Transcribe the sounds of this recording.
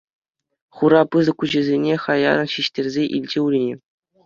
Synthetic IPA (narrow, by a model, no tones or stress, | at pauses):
χuɾɑpɯzɤ̆kuʑɘ̆zʲenʲeχɑjɑ̰ɾɤ̆nɕiɕtʲerʲzʲeʔilʲd͡ʑeurʲinʲe